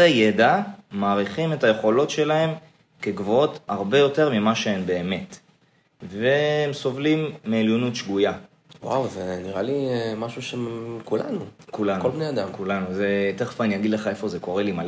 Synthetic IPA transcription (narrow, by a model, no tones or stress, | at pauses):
ejed̪amaːʁiχime̞taje̞χo̞lo̞tʃe̞lahe̞m | ke̞ɡvoo̞taʁbe̞jo̞te̞ʁmimaʃeenbe̞ːme̞t | vemso̞vlimːeːljo̞nutʃɡuja | wa̰wzeniʁalimaʃuʃekulanukulankolbnejad̪amkulanuzet̪eχfanijaɡid̪leχae̞fo̞ze̞ko̞ʁe̞limal